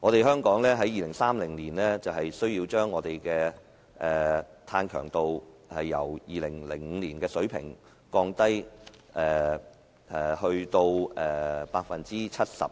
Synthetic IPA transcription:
ŋɔː˨˧t̪e˨jɦœː˥ŋkɔː˨˥ŋlɛː˥ɦɐ˨˥jːiː˨˩lɪ˨˩ŋsaː˥mlɪ˨˩ŋliː˨˩nlɛː˥t͡sɐ˨whɐ˨jsɵ˥ɥjiː˧wt͡ʃœː˥ŋːɔː˨˧t̪e˨jkɛː˧ | ʔɛː˨t̪ʰaː˧nkʰœ̰ː˨˩ŋt̪o˧whɐ˨jːɐ̰˨˩wjiː˨lɪ˨˩ŋlɪ˨˩ŋŋ̩ː˨˧liː˨˩nkɛː˧sɵ˨˥ɥpʰɪ̰˨˩ŋ | kɔː˧ŋt̪ɐ˥jʔɛː˨ | ʔɛ˨˩hɵ˧ɥt̪o˧wɛː˨˩paː˧tk̚fɐ˨nt͡siː˥t͡sʰɐ˥t̚sɐ̰˨p̚

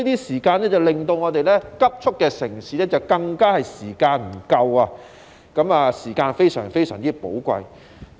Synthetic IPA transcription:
i˥t̪iː˥siː˨˩kaː˧nɛː˥t͡sɐ˨wlɪ˨˩ŋt̪o˧wŋɔː˨˧t̪e˨jlɛː˥kɐ˥p̚t͡ʃʰʊ˥kːɛː˧sɪ˨˩ŋsiː˨˥lɛː˥t͡sɐ˨wkɐ˧ŋkaː˥hɐ˨jsiː˨˩kaː˧nm̩˨˩kɐ˧waː˧ | kɐ˨˧˥maː˨siː˨˩kaː˧nfe˥jsœ̰ː˨˩ŋfe˥jsœː˨˩ŋt͡siː˥po̰˨˥wkʷɐ̰˧j

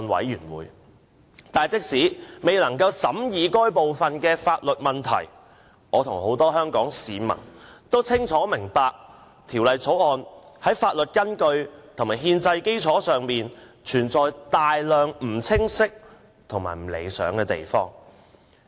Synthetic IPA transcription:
nwɐ̰˨˥jjyː˨˩nwṵː˨˥j | t̪aː˨jt͡sɪ˥k̚siː˨˥me˨jlɐ˨˩ŋkɐ˧wsɐ˨˥mjiː˨˧kɔː˥jpo˨wfɐ˨nkɛː˧faː˧t̚lɵ˨t̚mɐ˨nt̪ʰɐ̰˨˩j | ʔɔː˨˧t̪ʰʊ˨˩ŋho˨˥wt̪ɔː˥ɦœː˥ŋkɔː˨˥ŋsiː˨˧mɐ̰˨˩ŋt̪o˥wt͡sʰɪ˥ŋt͡sʰɔː˨˥mɪ˨˩ŋpaː˨˧k̚ | t̪ʰi˨˩wlɐ˨jt͡sʰo˨˥wɔː˨˧nhɐ˨˥jfaː˧t̚lɵ˨t̚kɐ˥nkɵ˧ɥt̪ʰʊ˨˩ŋmaː˨˩jɦiː˧nt͡sɐ˧jke˥jt͡sʰɔː˨˥sœː˨ŋmiː˨nt͡ʃʰyː˨˩nt͡sɔː˨jt̪aː˨jlœː˨ŋm̩˨˩t͡sʰɪ˥ŋsɪ˥k̚ | t̪ʰʊ˨˩ŋma̰ː˨˩jm̩˨˩lḛ˨jsœ̰ː˨˥ŋkɛː˧t̪e˨jfɔ̰ː˥ŋ

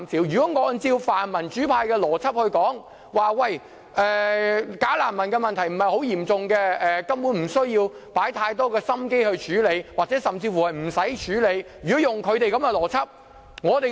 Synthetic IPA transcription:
msiː˨˩wjyː˨˩kɔ˨˥ŋɔː˨˧˥nt͡siː˧wfaː˨˩nmɐ˨˩nt͡ʃyː˨˥pʰaː˧jkɛː˧lɔː˨˩t͡sʰɐ˥p̚hɵ˧ɥkɔː˨˥ŋ | waː˨wɐ˧˩j | ʔɛː˨˩kaː˨˥laː˨˩nmɐ˨˩nkɛː˧mɐ˨nt̪ʰɐ˨˩jm̩˨˩hɐ˨jho˨˥wjiː˨˩mt͡sʊ˨ŋkɛː˧ɛː˨˧kɐ˥mpuː˨˥nm̩˨˩sɵ˥ɥjiː˧wpaː˨˥jt̪ʰaː˧jt̪̬ɔː˥kɛː˧sɐ˥mke˥jhɵ˧t͡ʃʰyː˨˥le˨˧jwaː˨t̚t͡sɛː˨˥sɐ˨mt͡siː˧fu˨˩hɐ˨˩jm̩˨˩sɐ˨˥jt͡ʃʰyː˨˥le˨˧jjyː˨˩ɔ˨˥jʊ˨ŋkʰɵ˨˧t̪e˨jkɐ˨˥mɛː˧lɔː˨˩t͡sʰɐ˥p̚ | ŋɔː˨˧t̪e˨

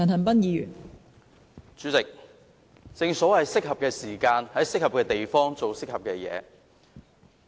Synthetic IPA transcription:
ɐ˨nɦɐ˨˩npɐ˥njiː˨˧jy̰ː˨˩n | t͡ʃyː˨˥t͡sɪ˨k̚ | t͡sɪ˧ŋsɔː˨˥wɐ˨jsɪ˥k̚hɐ˨p̚kɛː˧siː˨˩kaː˧nhɐ˨˥jsɪ˥k̚hɐ˨p̚kɛː˧t̪e˨jfɔː˥ŋt͡so˨wsɪ˥k̚hɐ˨p̚kɛː˧jɛ̰ː˨˧

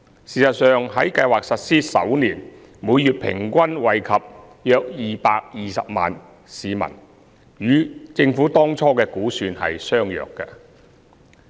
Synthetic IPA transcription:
siː˨˩sɐ˨t̚sœː˨ŋɦɐ˨˥jkɐ˧jwaː˨k̚sɐ˨t̚siː˥sɐ̰˨˥wniː˨˩n | muː˨˧jjyː˨t̚pʰɪ̰˨˩ŋkʷɐ˥nwɐ˨jkʰɐ˨p̚ | jœː˧k̚jiː˨paː˧k̚jiː˨sɐ̰˨p̚ma̰ː˨n | siː˨˧mɐ̰˨˩n | jyː˨˥t͡sɪ˧ŋfuː˨˥t̪ɔː˥ŋt͡sʰɔː˥kɛː˧kuː˨˥syː˧nhɐ̰˨jsœː˥ŋjœ̰ː˨˩kːɐ̰˧

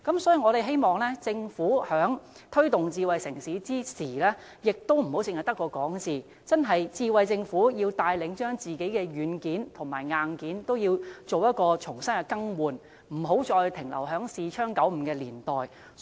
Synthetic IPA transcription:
kɐ˨˥msɔː˨˥jiː˧ŋɔː˨˧ɾe˨jɦe˥jmɔː˨ŋlɛː˥t͡sɪ˧ŋfuː˨˥hœː˨˥ŋ | t̪ʰɵ˥ɥt̪ʊ˨ŋt͡siː˧wɐ˨jsɪ˨˩ŋsiː˨˥t͡siː˥siː˨˩lɛː˥ | jɪ˨k̚t̪o˥wm̩˨˩ho˨˥wt͡sɪ˧ŋhjt̪ɐ˥kːɔː˧kɔː˨˥ŋt͡siː˨ | t͡sɐ˥nɦɐ˨jt͡siː˧wɐ˨jt͡sɪ˧ŋfuː˨˥jiː˧wt̪aː˧jlɪ˨˥ŋt͡ʃœː˥ŋt͡siː˨˩ke˨˥jkɛː˧jyː˨˥nkiː˨˥nt̪ʰʊ˨˩ŋma̰ː˨˩jŋaː˨nkiː˨˥nt̪o˥wjiː˧wt͡so˨wjɐ˥t̚kɔː˧t͡ʃʰʊ˨˩ŋsɐ˥nɛ˧kɐ˥ŋwuː˨n | m̩˨˩ɦo˨˥wt͡ʃɔː˧jt̪ʰɪ˨˩ŋlɐ̰˨˩wɦœː˨˥ŋsiː˨t͡ʃʰœː˥ŋkɐ˨˥wm̩˧kɛː˧liː˨˩nt̪ɔː˨j

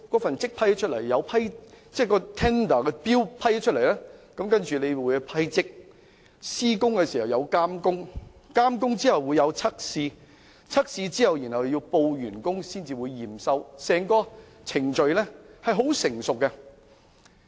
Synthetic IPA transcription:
kɔː˨˥fɐ˨nt͡sɪ˥k̚pʰɐ˥jht͡ʃʰɵ˥t̚lɐ˨˩jjɐ˨˧wpʰɐ˥jt͡sɛː˥˩kɔː˧t̪ʰɛː˥nd̪ɐː˨˩kɛː˧piː˥wpʰɐ˥jht͡ʃʰɵ˥t̚le˨˩jlɛː˥kɐ˨˥mkɐ˥nt͡ʃyː˨ne˨˧jwuː˨˥jpʰɐ˥jt͡sɪ˥k̚ | siː˥kʊ˥ŋkɛː˧siː˨˩hɐ˨˩wjɐ˨˧wkaː˥mkʊ˥ŋ | kaː˥mkʊ˥ŋt͡siː˥hɐ˨˩wːuː˨˧jɐ˨˧wt͡sʰɐ˥k̚siː˧ | t͡sʰɐ˥k̚siː˧t͡siː˥hɐ˨wjiː˨˩nhɐ˨wji˧wpo˧wjyː˨˩nkʊ˥ŋsiː˥nt͡siː˨wuː˨˧jːiː˨˩msɐ˨˧wsɛː˨˩ŋkɔː˧ | t͡sʰɪ˨˩ŋt͡ʃɵ˨ɥlɛ˥hɐ˨jɦo˨˥wsɪ˨˩ŋsʊ˨k̚ːɛ˧

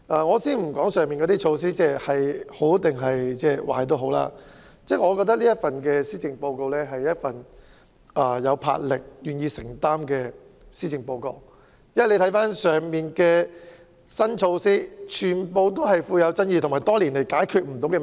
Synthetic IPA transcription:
ʔaː˧ŋɔː˨˧siː˥nm̩˨˩kɔː˨˥ŋsœː˨ŋmiː˨nkɔː˨˧˥iː˥t͡ʃʰo˧wsiː˥t͡sɛː˥hɐ˨jho˨˥wt̪ɪ˨ŋɦɐ˨jt͡sɛː˥˧wa̰ː˨˩jt̪o˥wɦo˨˥wla̰ː˧ | t͡sɛː˥˩ŋɔː˨˧kɔː˧t̪̬ːɐ˥k̚liː˥ɐ˥t̚fɐ˨nkɛ˧siː˥t͡sɪ˨ŋpo˧wko˧wlɛː˥ɦɐ˨jjɐ˥t̚fɐ˨˩n | ʔɐː˨˧jɐ˨˧wpʰa̰ː˧t̚lɪ˨k̚jyː˨˩njiː˧sɪ˨˩ŋt̪aː˥mkɛː˧ | siː˥t͡sɪ˨ŋpo˧wko˧w | jɐ˥wɐ˨le˧t̪ʰɐ˨˥jfaː˥nsœː˨ŋmiː˨˩nkɛː˧ | sɐ˥nt͡ʃʰo˧wsiː˥t͡ʃʰyː˨˩npo˨˧wt̪o˥wɦɐ˨jfuː˧jɐ˨˧wt͡sɐ˥njiː˧t̪ʰmaː˨˩jt̪ɔː˥liː˨˩nle˨˩jkaː˨˥jkʰyː˧t̚m̩˨˩t̪o˨˥wkɛ˧

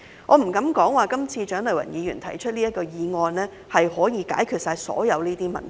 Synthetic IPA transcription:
ŋʔɔː˨˧m̩˨˩kɐ˨˥mkɔː˨˥ŋwaː˨˩kɐ˥mt͡sʰiː˧t͡ʃœː˨˥ŋlɐ˨˩wɐ̰˨˩njiː˨˧jyː˨˩nt̪ʰɐ˨˩jt͡ʃʰɵ˥t̚liː˥ɐ˥t̚kɔː˧jiː˨˧ŋɔː˧nlɛː˥ | hɐ˨jhɔː˨˥jiː˨˧ka̰ː˨˥jkʰyː˧t̚saː˧jsɔ̰ː˨˥jɐ˨˧wniː˥t̪iː˥mɐ̰˨ntʰ

